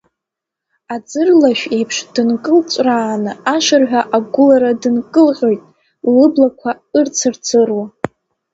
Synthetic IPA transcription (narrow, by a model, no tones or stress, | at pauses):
ad͡zɨrlaʃʷᶣe̞jpʰʂd̥ɨnkʼɨlt͡ʃʷʼraːnɨaʂɨrħʷᶣaʔaɡʷʊlaɾadɨnkʼɨlqʲʼojtʼ | lɨblakʷʰa | ɨrt͡sʰɨrt͡sʰɨrwa